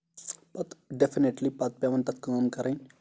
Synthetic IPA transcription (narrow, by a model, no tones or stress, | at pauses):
pɐt̪ɖefineʈlipɐt̪̚pjaʋɐnt̪ɐt̪̚ʰkaːmkɐɾɐnʲ